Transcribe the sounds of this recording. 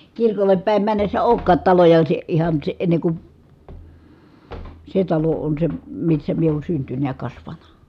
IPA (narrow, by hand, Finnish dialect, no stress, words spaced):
kirkolːep pæˑi̯m mænːesːæ oˑu̞kːɑːt tɑlojɑ si ihɑn si enːe ku se tɑlo on se misːæ mie oːn syntynæ̆ jɑ kɑsʋɑnɑ